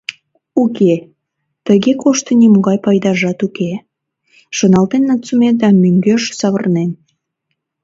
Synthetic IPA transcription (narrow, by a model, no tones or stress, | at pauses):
uke | t̪əɣekoʃt̪ənimuɣɑjpɑjd̪ɑʒɑt̪uke | ʃonɑlt̪enːət͡sumed̪ɑmyŋɡøʃsɑβərnen